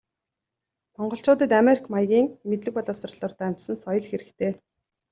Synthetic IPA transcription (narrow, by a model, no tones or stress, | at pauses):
mɔɴɢɞ̆ɬt͡ɕʊːt̪ə̆t̪ameɾikʰmajɣʲiːŋmet̪ɮɘ̆k̚pɔɮʊːsr̆ɮɔːrt̪ʰaːm̥t͡ɕsə̆nsɔjɞ̆ɮxeɾɘ̆kt̪ʰeː